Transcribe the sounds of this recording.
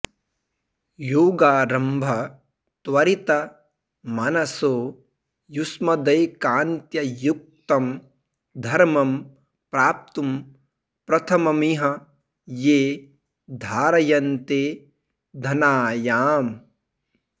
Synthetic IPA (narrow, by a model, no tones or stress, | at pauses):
joːɡaːɾɐmbʱɐ | t̪wɐɾit̪ɐ | mɐnɐsoː | jusmɐd̪ɐjkaːnt̪jɐjuk̚t̪ɐm | d̪ʱɐɾmɐm | pɾaːp̚t̪um | pɾɐt̪ʰɐmɐmiɦɐ | jeː | d̪ʱaːɾɐjɐnt̪eː | d̪ʱɐnaːjaːm